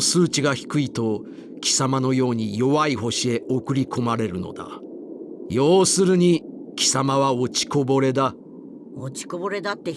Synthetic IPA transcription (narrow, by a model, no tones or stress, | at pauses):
sɨːt͡ɕiɡaçi̥kɯ̟it̪o̞ | kʲi̥samano̞jo̞ːɲ̟ijo̞βaiɦo̞ɕie̞o̞kɯ̟ɾʲikʰo̞maɾe̞ɾɯ̟no̞̰d̪a̰ | jo̞ːsɨɾɯ̟ɲ̟ikʲi̥samaβao̞t͡ɕi̥ko̞bo̞ɾe̞d̪a | ot͡ɕi̥ko̞bo̞ɾe̞d̪at̪ːe̞